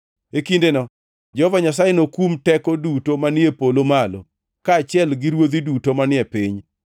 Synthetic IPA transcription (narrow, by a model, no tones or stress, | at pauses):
ekindenɔ | d͡ʒɔɔvaɲas̬ajenokumtɛkɔdutomanɪepolomalo̰ | kaːt͡ʃɪɛlɡiɾwod̪idutomanɪɛpɪɲ